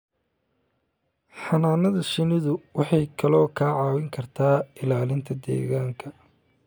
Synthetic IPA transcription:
ħɑnaːnɐðɐʃɪnɪðʊwɑħɑjkʰɐlɔːkʰaːʕɑːwɪŋkʰɐrt̪ʰaːɪlaːlɪnt̪ʰɐd̪ɛ̰ːɣaːŋkʰɐ

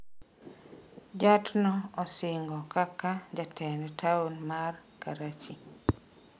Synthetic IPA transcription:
d͡ʒatnɔɔsɪŋɡɔkakad͡ʒatʰɛnɛtʰaunmarkaɾat͡ʃi

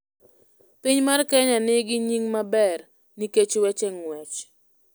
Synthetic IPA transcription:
piɲmarkɛɲanɪɡɪɲiŋmabɛr | niket͡ʃwɛt͡ʃɛŋwɛt͡ʃ

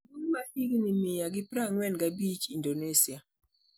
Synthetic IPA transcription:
dunmahiɡnimɪjaɡɪpɾaŋwɛnɡabit͡ʃindonesia

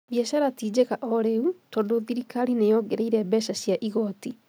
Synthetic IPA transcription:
βjɛʃaɾatiːd͡ʑekaʔɔɾeutɔːndoðiɾikaɾinejɔɡeɾeiɾɛbɛʃaɕjaʔiɣɔti

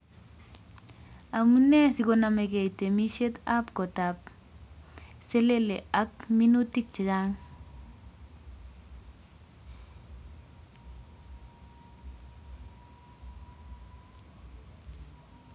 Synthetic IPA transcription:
amunesiɡonameɡejtemiʃet̪apkotap̚ | seleleʔakminutik̚t͡ʃed͡ʒaŋ

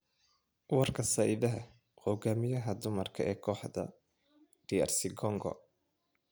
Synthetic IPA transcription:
wɑrkʰɐsaːʔɪðɐɦɐ | hɔɡaːmɪjɐɦɐd̪ʊmɐrkʰɐʔɛːkʰɔːħd̪ɐ̰ | ɖ̥ɪja̰rsɪɡɔŋɡɔ̰

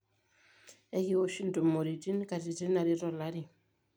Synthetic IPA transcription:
ɛkiwoʃintɔnmoɾitinkatitinaɾiɾɔlaɾi

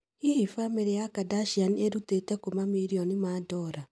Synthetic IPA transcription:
ihifameɾejakadaʃianieɾutetɛkomamiɾiɔnimadɔɾa

